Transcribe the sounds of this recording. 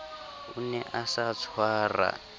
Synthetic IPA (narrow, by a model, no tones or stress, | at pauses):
unɛʔasat͡sʰwaːra̰